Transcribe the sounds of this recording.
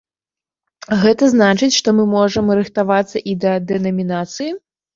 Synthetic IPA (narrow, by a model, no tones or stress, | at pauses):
ɣɛt̪ɐznat͡ʂɨt͡sʲʂt̪ɔmɨmɔʐɐmɾɨxt̪avat̪sːɐʔid̪ɐd̪ɛnɐmʲinat̪sɨji